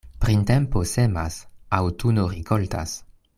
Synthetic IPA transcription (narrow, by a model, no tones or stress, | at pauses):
pɾint̪ɛmposema̰sawt̪unorikolt̪a̰s